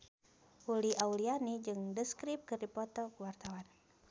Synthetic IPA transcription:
ʔuliaulianid͡ʒɨŋdəskɾip̚kɨrdipɔt̪ɔkuwart̪awan

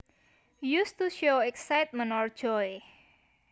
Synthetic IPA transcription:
just̪uʃowɛksajt̪̚mə̃nɔr̥ʒ̥ɔe

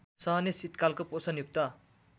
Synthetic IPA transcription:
sʌɦʌnesit̪kalkoposʌnjuk̚t̪ʌ

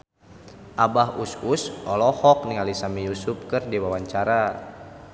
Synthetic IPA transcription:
ʔabaɦuskusɔlɔhɔk̚niŋalisamijusup̚kɨrdiwawaɲt͡ʃaɾa

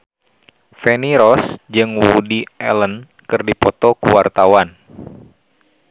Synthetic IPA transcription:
feniɾɔsd͡ʒɨŋwudiʔɛ̰lən | kɨrdipɔt̪ɔkuwart̪awan

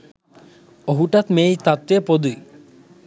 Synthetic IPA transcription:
oɦuʈat̪meːjt̪at̪ʋepod̪ui

